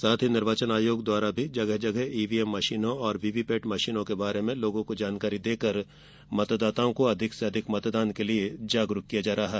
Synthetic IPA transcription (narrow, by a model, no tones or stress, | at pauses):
saːt̪ʰɦinɪɾʋaːt͡ʃənaːjoːɡd̪waːɾabʱid͡ʒɐɡəɦd͡ʒɐɡəɦiːʋiɛmːɐʃiːnõɔːɾbiːʋipeːʈmɐʃiːnõkebaːɾemẽloːɡõkod͡ʒaːnkaːɾid̪eːkəɾ | mɐt̪d̪aːt̪aõkoɐd̪ʱɪkseɐd̪ʱɪkmɐt̪d̪aːnkelied͡ʒaːɡɾʊkːijad͡ʒaːɾɐɦaɦ